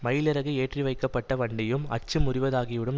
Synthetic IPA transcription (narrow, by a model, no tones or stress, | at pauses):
mɐjɪlɪɾɐɣɯeːʈriʋɐɪkːɐpːɐʈːɐʋɐɳɖɪjɯmɐ̰t͡ʃːɯmʊrɪʋɐðaːɣɪʋɪɽɯm